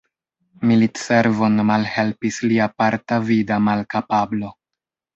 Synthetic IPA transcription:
militseɾvo̞nmalhe̞lpisliapaɾtavidamalkapablo̞

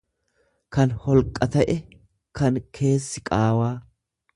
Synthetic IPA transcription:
kɐnhɔlkʼːɐt̪ɐʔɛ | kɐnkʰe̞ːsːɪkʼaːwaː

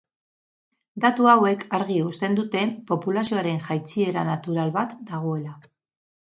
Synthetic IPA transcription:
d̪at̪uawe̞kʰaɾɣiust̪e̞nd̪ut̪e̞po̞pulasio̞aɾe̞nxajt͡sie̞ɾanat̪uɾalβat̪d̪aɣ̞o̞e̞la

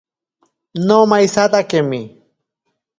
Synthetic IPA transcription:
nomajsat̪akemɪ

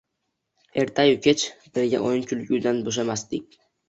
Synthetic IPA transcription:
eɾt̪ʰajʊkʲʰet͡ʃb̥ɪɾɡʲa̰ʔojnkʰʲʊlkʲuwd̪anboʃ̬amasd̪ɪk̚ʲ

